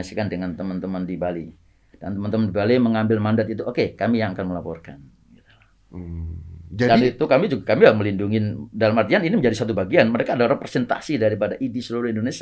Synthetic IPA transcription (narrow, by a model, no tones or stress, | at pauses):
asi̥kandəŋant̪əmənt̪əməndibali | dant̪əmant̪əmənd̪ibaliməŋambɪlmandat̪̚it̪uʔokekamijaŋakanməlapɔ̰rkan | ɡit̪u̥la | d͡ʒadait̪ukamid͡ʒuɡakamilaməlinduŋɪndalamart̪ianinimə̃ɲd͡ʒadisat̪ubaɡianməɾekaːdarɾepɾesɛnt̪a̰sidaɾipadaʔidisəluɾʊhindonesi